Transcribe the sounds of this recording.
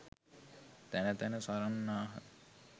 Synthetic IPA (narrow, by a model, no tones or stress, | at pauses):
t̪ænət̪ænəsaɾanːaːɦə̰